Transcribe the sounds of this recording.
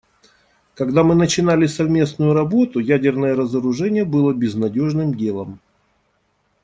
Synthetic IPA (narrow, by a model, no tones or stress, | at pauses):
kɐɡd̪amɨnət͡ɕɪnalʲɪsɐvmʲe̞snʊjʊɾɐbo̞t̪ʊjædʲɪrnəjəɾəzəɾʊʐɛnʲɪjəbɨlˠəbʲɪznɐdʲo̞ʐnɨmdʲe̞lˠəm